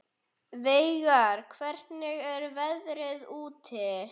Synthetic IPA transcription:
veːjɣaɾ̥kʰvɛɾ̥t̪nɪɣɛɾvɛðɾɪðuːt̪ʰɪ

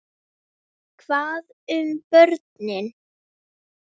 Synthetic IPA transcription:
kʰvaːðʏmpœɾt̪nɪn

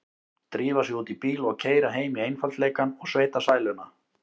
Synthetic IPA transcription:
t̪ɾiːvasjɛuːt̪ipiːlɔɣcʰeːjɾaɦeːjmiejnfalt̪leːjkanɔɣsveːjt̪asaːjlʏna

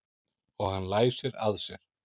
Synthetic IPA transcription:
ɔɣhanːlaːjsɛɾa̰ðsjɛɾ̥

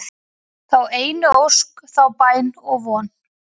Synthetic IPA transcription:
θaweːjnʏowskθawpaːjnɔɣvɔːn

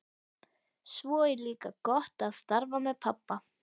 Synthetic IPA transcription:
svɔːɛɾliːkakɔht̪aðst̪aɾvamɛðpʰapːa

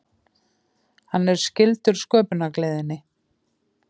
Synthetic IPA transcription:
hanːɛɾ̥scɪlt̪ʏɾ̥skœːpʏnakleːjðɪnːɪ

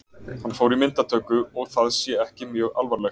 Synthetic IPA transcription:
hanfowɾimɪnt̪at̪ʰœːkʏɔɣθaðsjɛɛhcɪmjœːɣa̰lvaɾlɛx

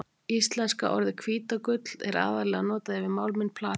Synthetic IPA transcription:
ist̪lɛnska̰ʔɔɾðɪkʰviːt̪akʏt̪l̥ɛ̰ɾa̰ːðaɾlɛɣanɔːt̪aðɛvɪmawlmɪnpʰlaː

